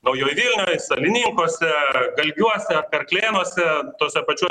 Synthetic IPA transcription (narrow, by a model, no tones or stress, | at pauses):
nɐʊjoːjʋʲilʲnʲoːjsɐlʲɪnʲɪŋkoːsʲɛɡɐlʲɡʲuɔsʲɛɐpʲɛɾklʲeːnoɔsʲɛt̪oːsʲɛpɐt͡ʃʲuɔ